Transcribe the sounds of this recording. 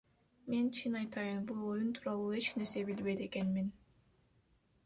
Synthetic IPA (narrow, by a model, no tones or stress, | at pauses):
me̞nt͡ʃʰinɑjt̪ɑjɯnbulˠo̞junt̪ʰuːɾɑlˠuːe̞t͡ʃne̞ɾse̞bilβe̞jt̪e̞ke̞nmin